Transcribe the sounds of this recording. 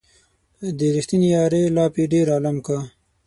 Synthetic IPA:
d̪əɾixt̪injɑːɾelɑːpiɖeɾɑːlamka

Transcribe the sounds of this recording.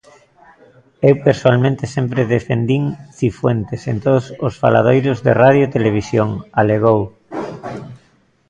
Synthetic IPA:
ewpeɾsoalmẽnt̪esempɾeðefend̪iŋθifwent̪esent̪oðososfa̰la̰ð̞ojɾozðḛraðjot̪eleβ̞isjoŋaleɣ̞ow

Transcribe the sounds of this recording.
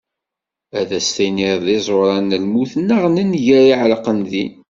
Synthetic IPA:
æðæst̪æjniɾðɪzˤoɾˤɑnəlmuθnːəʁnənʝæɾiʕləqənði

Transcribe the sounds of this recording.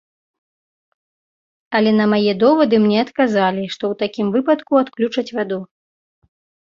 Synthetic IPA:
ɐlʲɛnɐmajɛd̪ɔvɐd̪ɨmnʲɛɐt̪kazalʲiʂt̪ɔwt̪akʲimvɨpɐt̪kuat̪klʲut͡ʂɐt͡sʲvad̪u

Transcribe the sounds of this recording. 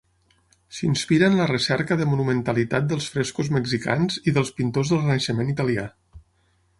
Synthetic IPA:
sinspiɾənlərəsɛɾkəðəmunumənt̪əlit̪at̪̚d̪əlˠsfɾɛskuzməɡzika̰nziðəlˠspint̪ozðəlˠrənəʃəmenit̪əlia̰

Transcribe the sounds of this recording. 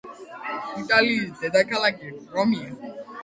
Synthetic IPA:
italidɛdakalakiɾɔmia

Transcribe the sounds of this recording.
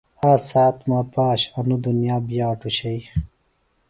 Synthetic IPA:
aːsaːt̪maːpaːɕɐnud̪unjaːbjaːʈuɕɐj

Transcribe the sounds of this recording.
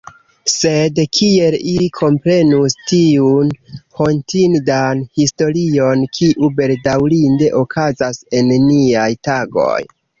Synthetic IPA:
se̞dkʰie̞lilikʰo̞mpɾe̞nustiunho̞ntindanhisto̞ɾio̞nkʰiʔube̞ldawlinde̞ʔo̞kʰazase̞nniajtaɡo̞̰j

